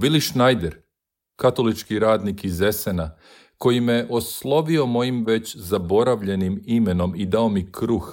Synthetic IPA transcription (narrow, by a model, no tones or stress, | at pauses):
ʋiliʃnajd̪eɾ | kat̪o̞lit͡ʃkiɾaːd̪nikize̞sena | ko̞jimeʔo̞slˠo̞ʋio̞mo̞jimʋe̞t͡ɕzabo̞ɾaʋʎe̞nimime̞no̞mid̪aomikɾux